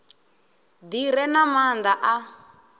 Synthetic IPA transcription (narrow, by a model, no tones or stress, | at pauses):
diɾɛnamand̪aʔa